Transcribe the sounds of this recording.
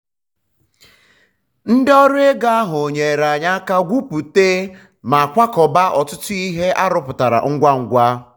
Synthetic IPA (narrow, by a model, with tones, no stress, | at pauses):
n̩˦dɪ˦ɔ˦ɾʊ˦e˦ɡa˦a˦ɦʊ˨ɲe˨ɾa˨ɲa˦ka˦ɡʷu˦pu˨te˦ | ma˨a˨kʷa˦kɔ˨ba˦ʔɔ˨tʊ˦tʊ˦i˦ɦe˦ʔa˦ɾʊ˦pʊ˨ta˨ɾa̰˨ŋ̩˦ɡʷa˦ŋ̩˨ɡʷa˦